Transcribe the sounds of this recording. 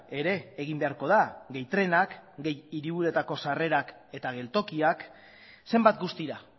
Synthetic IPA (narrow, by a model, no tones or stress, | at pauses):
e̞ɾe̞ːɣ̞imbe̞aɾko̞ð̞aɡe̞jt̪ɾe̞nakɡe̞jiɾiβuɾe̞t̪ako̞sare̞ɾak | e̞t̪aɣ̞e̞lt̪o̞kiak | se̞mbat̪ɡust̪iɾa